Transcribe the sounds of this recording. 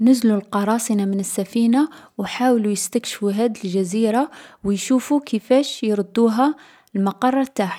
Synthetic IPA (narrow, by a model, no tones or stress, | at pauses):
nəzlulqɑɾˤɑsˤinamənəsːæfiːnawħaːwlujəst̪əkʃfuɦæd̪ilʒæziɾawjʃufukʰəfæʃjɾˤd̪ːuɦa | lmɑqɑrˤːɑt̪aħ